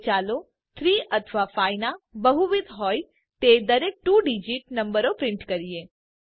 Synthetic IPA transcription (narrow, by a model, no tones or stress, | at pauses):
t͡ʃalo | t̪ʰɾiət̪ʰʋafajnabəɦuʋid̪ʱɦoj | t̪ed̪əɾek̚ʈuɖid͡ʒiʈnə̃mbəɾopɾɪ̃ɳʈkəɾie